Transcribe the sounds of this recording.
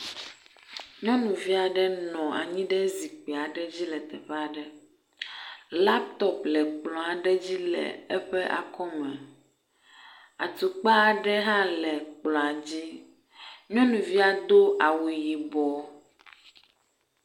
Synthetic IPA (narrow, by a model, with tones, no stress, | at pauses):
ɲɔ̃˦nũ˨vi˦a˨ɖɛ˦nɔ̃˨a̰˨ɲĩ˦ɖɛ˦zi˨k͡pe˨a˨ɖɛ˦d͡ʑi˦lɛ˨t̪ɛ˨ɸɛ˦a˨ɖɛ˦ | la˦p̚t̪ɔ˦plɛ˨k͡plɔ̃˨a˨ɖɛ˦d͡ʑi˦lɛ̰˨ɛ˦ɸɛ˦ʔa̰˨kɔ˦mɛ˨ | a̰˨t̪u˨k͡pa˦˨ɖɛ˦ɦã˦lɛ˨k͡plɔ̃˨a˨d͡ʑi˦ | ɲɔ̃˦nũ˨vi˦a˨d̪o˦a˨wu˨ji˨bɔ˨